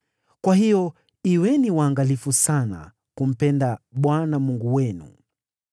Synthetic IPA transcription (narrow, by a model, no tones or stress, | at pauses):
kwahijɔ | iwɛniwaːŋɡalifusana̰ | kum̩pɛndaɓwanamuŋɡuwɛnṵ